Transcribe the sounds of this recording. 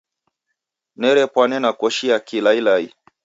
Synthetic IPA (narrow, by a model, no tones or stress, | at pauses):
nɛɾɛpwanɛnakɔʃiakilailai